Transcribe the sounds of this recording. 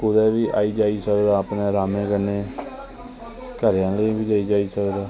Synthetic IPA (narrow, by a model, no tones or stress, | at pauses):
kʊd̪ɛːʋiːʔa̰ːiːd͡ʒaːiːsəkd̪aːəpneːɾaːmẽːkənːeː | kəɾjãːləibiːd̪eiːd͡ʒaːiːsəkd̪aː